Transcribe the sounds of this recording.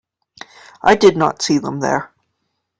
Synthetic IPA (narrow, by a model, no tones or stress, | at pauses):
ʔaɪdɨdⁿnə̰tsiðə̰̃mðə̰˞